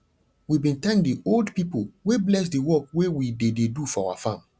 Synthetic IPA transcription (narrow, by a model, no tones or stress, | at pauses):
wibĩntãŋk̚dioldpipoweblɛs̬diwɔkwewidededufɔawa̰fãm